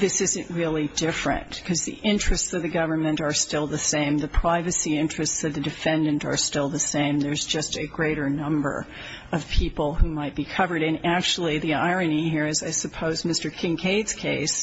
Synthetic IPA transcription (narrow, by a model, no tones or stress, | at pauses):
ðɪsɪzɨ̃nʔɹɪlˠidɪfɹɨ̰̃nkʰʌzðḭʔɪ̃nt͡ʃɹ̥ɨstsʌvðɨɡʌvə˞mɨ̃nə˞stɪlˠðəsẽɪ̃mðɨpʰɹ̥aɪvɨsiɪ̃nt͡ʃɹ̥ɨstsʌvðɨdɨfɛ̃ndɨ̃ntə̰˞stɪlˠðəsẽɪ̃mðə˞zd͡ʒʌstɨɡɹeɪɾə˞nʌ̃mbə̰˞ | ʌv̥pʰipl̩ˠhumaɪt̚b̥ikʰʌvə˞ɾɨ̃næk̚t͡ʃl̩ˠiðia̰ɪɹɨ̃nihiɹɨzaɪsɨpʰoʊzmɪstə˞kʰɪ̃ŋkʰeɪdz̥kʰeɪs